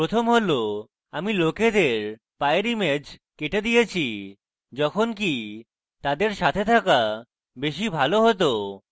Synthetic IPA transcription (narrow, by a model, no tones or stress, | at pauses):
pɾot̪ʰomɦolo | amiloked̪eɾ | paeɾimed͡ʑkeʈed̪ijet͡ɕʰi | d͡ʑɔkʰonk̬i | t̪ad̪eɾʃat̪ʰet̪ʰaka | beʃibʱaloɦot̪o